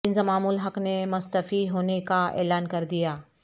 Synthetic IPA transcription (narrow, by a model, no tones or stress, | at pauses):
ɪ̃nzmaːmuːlɦɐknemʊst̪ɐfiɦoːnekaɛ̰ːlaːnkɐɾd̪ijaː